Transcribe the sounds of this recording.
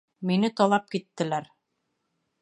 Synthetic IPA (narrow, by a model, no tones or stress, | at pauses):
minɘt̪ɑlˠɑp̚kit̪ːɘ̆læɾ